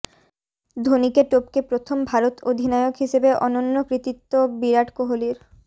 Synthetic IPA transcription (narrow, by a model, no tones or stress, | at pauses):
d̪ʱonikeʈopkepɾot̪ʰombʱaɾot̪od̪ʱinaeokɦiʃebeʔɔnonːokɾit̪it̪ːobiɾaʈkoɦoliɾ